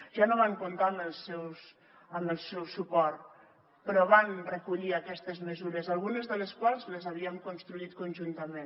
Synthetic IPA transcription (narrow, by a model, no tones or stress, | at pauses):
ʒ̥anoβ̞aŋkunt̪aməlˠsɛws | əməlˠsɛwsupɔɾt̪ | pəɾɔβanrəkuʎiakɛst̪əzməzuɾəzalˠɣunəzðələskwalˠzləzaβiəŋkunst̪ɾuit̪kunʲʒunt̪əmen